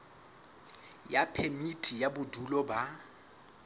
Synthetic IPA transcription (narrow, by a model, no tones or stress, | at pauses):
japʰemitʰʼijabʊdʱulɔba